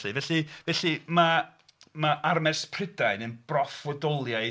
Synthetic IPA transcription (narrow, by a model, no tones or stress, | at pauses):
ɨvɛɬivɛɬima | maʔarmɛspʰr̥ɪdaɨnənb̥rɔfwɔdɔlˠja